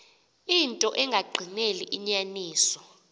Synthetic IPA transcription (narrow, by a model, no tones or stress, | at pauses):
intʼɔʔɛŋɡʱaɡ͡ǃʱineliʔiɲaniːsɔ